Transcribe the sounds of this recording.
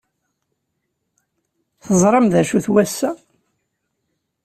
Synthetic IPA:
θəzˤɾˤɑmðæʃuθwæsːæ

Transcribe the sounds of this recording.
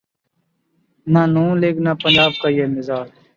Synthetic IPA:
naːnũːleːɡnaːpənd͡ʒaːb̚kaːjeːnɪzaːɾ

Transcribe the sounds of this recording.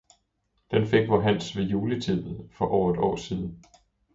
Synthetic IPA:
d̥enfeɡ̥ʋɑɦæn̰sʋe̝juːlət͡sʰið̰ˠð̩ˠfɒ̽ʔɒʊ̰ɐe̝d̥ɒ̰ːsiːð̞ˠn̩

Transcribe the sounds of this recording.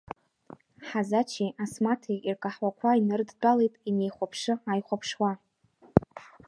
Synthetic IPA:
ħazat͡ʃʰiʔasmatʰeirkʼaħwakʷʰainɨrdt͡pʼalejtʼine̞jχʷapʰʂɨajχʷapʰʂwa

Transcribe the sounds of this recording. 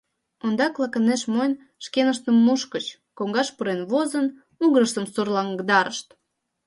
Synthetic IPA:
ond̪ɑklɑkəneʃmojn | ʃkenəʃt̪əmːuʃkət͡ɕ | koŋɡɑʃpuɾenβozən | uɣɾəʃt̪əmsurlɑŋɡd̪ɑɾəʃt̪

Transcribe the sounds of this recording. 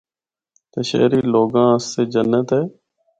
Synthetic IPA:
t̪eːʃḛːɾiːloːɡãːəsːeːd͡ʒənːət̪ɦeː

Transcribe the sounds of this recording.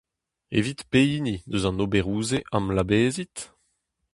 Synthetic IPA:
ḛvit̪peiːnid̪øzɑ̃nobeʁuːzeʔamlabeːzit̪

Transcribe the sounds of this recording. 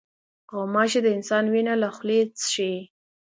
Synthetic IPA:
ɣomɑʃed̪əɪnsɑnwinalaxlet͡sʃe

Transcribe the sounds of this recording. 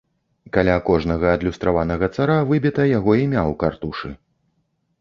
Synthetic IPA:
kalʲakɔʐnɐɣɐːd̪lʲust̪ɾavanɐɣɐt̪saɾavɨbʲit̪ɐjaɣɔimʲawkart̪uʂɨ

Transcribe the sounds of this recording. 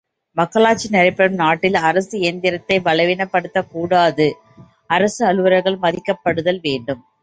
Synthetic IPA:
mɐkːɐlaːt͡ʃːinɪɾɐɪpːɐɾɯmnaːʈːɪlɐɾɐsɯeːnd̪ɪɾɐt̪ːɐɪʋɐlɐɪʋɪnɐpːɐɽɯt̪ːɐkuːɽaːðɯ | ɐɾɐsɯɐɭɯʋɐɾɐɾɣɐɭmɐðɪkːɐpːɐɽɯðɐlʋeːɳɖɯm

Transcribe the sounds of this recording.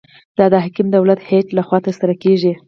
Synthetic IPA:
d̪̥ɑd̪əɦakimd̪awlat̪heʈlaxwɑt̪əɾsaɾakeʒi

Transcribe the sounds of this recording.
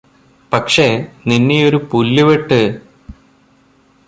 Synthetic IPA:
pɐkʂe̞ninːejo̞ɾupulːuʋeʈːɨ

